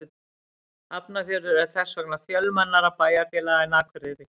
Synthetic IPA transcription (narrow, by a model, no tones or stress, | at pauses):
apnafjœɾʏɾɛθɛsvœknḁfjœlmanːaɾapaːjafjɛːlaɣɛnaːkʰvʏɾɪɾɪ